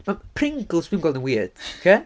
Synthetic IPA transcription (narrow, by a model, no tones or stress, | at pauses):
mapʰrɪŋɡl̩ˠswĩnɡɔlˠə̃nwiəd̥okʰeː